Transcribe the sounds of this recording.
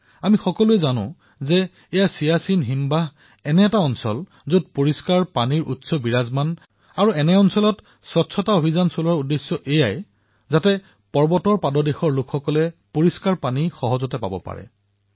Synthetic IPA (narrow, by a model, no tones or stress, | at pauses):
amixɔkɔluɛzanʊ̰̃ | zɛː | jasijasinɦimba | ɛnɛːtaɔnsɔ̰l | zud̚poɹiskaɹpaniɹʔṵtsɔbiɹazman | aɹuɛnɛɔnsɔlɔt | sɔtsʰɔtaobʱizansolaɹudːesːɔʔejaj | zatɛ | pɔɹbɔtɔɹpadɔdexɔɹlʊkʰxɔkɔlɛpoɹiskaɹpanixɔɦɔzɔtɛpa̰bɔ̰pa̰ɹɛ̰